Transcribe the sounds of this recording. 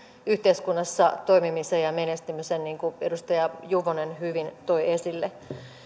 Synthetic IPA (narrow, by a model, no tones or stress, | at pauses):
yht̪eiskunːɑsːɑt̪oimimisejɑmenest̪ymisenniːŋkuedust̪ɑjɑjuʋonenhyʋint̪oiesilːe